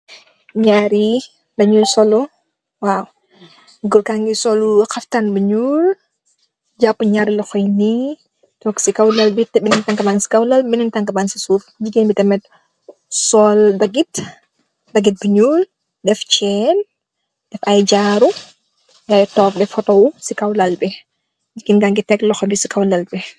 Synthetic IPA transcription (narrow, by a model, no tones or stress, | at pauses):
ɲaːɾi | dɐɲulsɔlɔ | waw | ɡɔlkaŋɡisɔluxɐftanbəɲuːl | d͡ʒapːuɲaɾilɐxɔjni | tɔksikawlɐlbitɛbinɛntaŋkɐbansi̥kawlɐlbinintaŋkɐbansisuːfd͡ʒiɡɛnbitɐmɛt̚ | sɔːldɐɡit | dɐɡit̚bəɲuːl | dɛft͡ʃɛn | d̥ɛfajɟaɾu | jajtɔːfdɛfɔtɔwusikawlɐlbɛ | d͡ʒikinɡaŋɡitɛklɔxɔmbisikawlɐlbɛ